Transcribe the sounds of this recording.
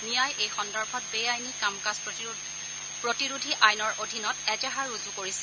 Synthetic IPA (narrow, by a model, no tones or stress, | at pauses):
nijajʔejxɔndɔɹbʱɔt̚bejajnikamkas | pɹotiɹudʱiʔajnɔɹʔodʱinɔtɛd͡ʒaɦaɹuzukoɹisɛ